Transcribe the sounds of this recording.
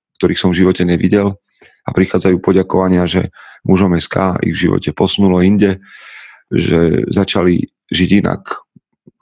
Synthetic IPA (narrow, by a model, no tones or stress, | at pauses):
kt̪ɔɾiːxsɔmvʒiʋɔcɛɲɛʋiɟɛl | apɾixaːd͡zajuːpɔɟakɔʋaɲɪaʒɛ̰muʒɔmɛska̰ːḭɣvʒiʋɔ̰cɛpɔsunulɔinɟɛ | ʒɛ̰zat͡ʃali | ʒiɟina̰k